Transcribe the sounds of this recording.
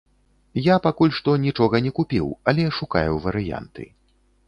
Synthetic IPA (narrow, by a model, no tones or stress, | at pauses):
japakulʲʂt̪ɔnʲit͡ʂɔɣɐnʲɛkupʲiwɐlʲɛʂuka̰juwvɐɾɨja̰nt̪ɨ̰